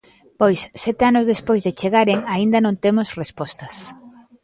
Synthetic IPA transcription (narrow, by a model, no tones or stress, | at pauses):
pojsːɛt̪eanʊzðespojzðet͡ʃeɣaɾeŋaind̪ɐnõnt̪emosrespɔst̪ɐs